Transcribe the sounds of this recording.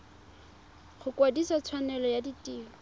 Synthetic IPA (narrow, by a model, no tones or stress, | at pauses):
χʊkodisɔt͡sʰwanɛlɔjaditʼiːɔ